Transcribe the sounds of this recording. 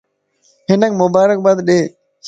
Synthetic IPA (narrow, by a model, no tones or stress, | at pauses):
ɦɪnəkmʊbaːɾək̚baːd̪ɗeː